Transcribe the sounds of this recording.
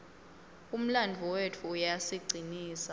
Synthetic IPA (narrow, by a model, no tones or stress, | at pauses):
um̩landʱuwetʰuːjaseɡ͡ǀʱiniːsa